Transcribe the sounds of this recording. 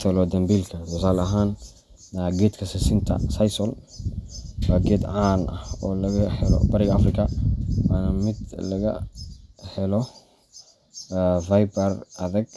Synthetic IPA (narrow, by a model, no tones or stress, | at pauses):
t̪ʰɔlɔd̪ɐmbiːlkʰɐsɔsaːlɐɦaːnː | aːɡɛːt̪kʰɐsɪsɪnt̪ʰɐ̰sɐjsɔl | waɡɛd̪ʕaːnʔɐhɔːlɐɣɐhɛlɔ̰bɐɾɪɣɐfrɪkʰɐwaːnɐmɪd̪lɐɣɐ̰ | hɛlɔ | vajbɐrɐðɐɡ